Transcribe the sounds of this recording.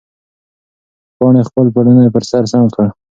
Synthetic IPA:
pɑɳexpəlpaɽənapəɾsaɾsamkɽa

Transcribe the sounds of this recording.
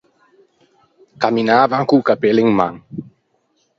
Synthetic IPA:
kaminavaŋkukapeliŋma̰ŋ

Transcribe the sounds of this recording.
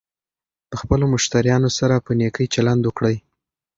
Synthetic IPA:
l̥əxpəlomʊʃt̪aɾjɑnosaɾapənekəjt͡ʃaland̪wəkɽəj

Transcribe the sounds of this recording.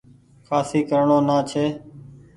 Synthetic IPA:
kʰaːsiːkəɾɳõːnaːt͡ʃʰeː

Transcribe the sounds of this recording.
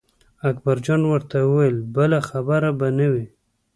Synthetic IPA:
akbaɾd͡ʒɑnwəɾt̪awəwajlbəlaxabaɾabanawi

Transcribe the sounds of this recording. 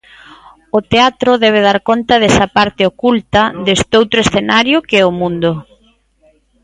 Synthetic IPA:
ʊt̪eat̪ɾʊðɛβ̞eð̞aɾkont̪ɐðɛsɐpaɾt̪ɪokult̪ɐðest̪owt̪ɾoesθenaɾjʊkeɛʊmũnd̪ʊ

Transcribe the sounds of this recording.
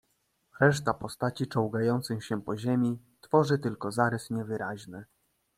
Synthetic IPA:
ɾɛʂt̪apɔst̪at͡ɕit͡ʂɔwɡajɔnt̪sɛŋɕɛpɔʑemʲi | t̪fɔʐɘt̪ɘlkɔzaɾɛsɲɛvɘɾaʑnɘ

